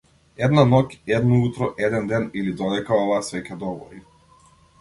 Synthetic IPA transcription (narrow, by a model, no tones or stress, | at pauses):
ɛd̪nanɔcʲɛd̪nɔut̪ɾɔʔɛd̪ɛnd̪ɛnilid̪ɔlɛkaɔvaːsvɛcʲɛd̪ɔvɔ̰ɾi